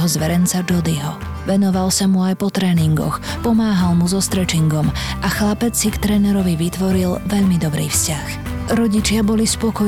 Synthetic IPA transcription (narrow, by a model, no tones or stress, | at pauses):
ɦɔzʋɛɾɛnt͡sad͡ʒɔd̪iɦɔ̰ | ʋɛnɔʋalsamuajpɔt̪ɾɛːniŋɡɔ̰x | pɔmaːɦalmuzɔst̪ɾɛt͡ʃiŋɡɔmʔaxlapɛt͡ssikt̪ɾɛːnɛɾɔʋiʋit̪ʋɔɾilʋɛʎmid̪ɔbɾiːfscax | ɾɔɟit͡ʃɪabɔlispɔkɔ